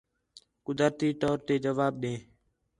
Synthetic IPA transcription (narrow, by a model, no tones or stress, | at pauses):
kʊd̪əɾt̪iːt̪ɔːɾt̪eːd͡ʒəʋaːb̚ɗẽː